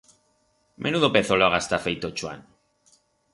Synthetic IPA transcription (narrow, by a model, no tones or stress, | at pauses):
mʔenuðopeθoloaɣast̪afejt̪ot͡ʃwa̰n